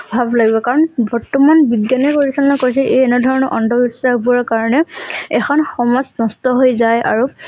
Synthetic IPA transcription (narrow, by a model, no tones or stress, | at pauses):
bʱablaɡibɔkaɹɔnbɔɹtːɔmanbiɡjanikoɹisɔnlɔkojs̬ɛʔejɛnɛdʱɔɹɔnɔʔɔndʱɔbisahbuaɹkaɹɔnɛɛkʰɔnxɔmɔznɔstɔɦojzaja̰ɹu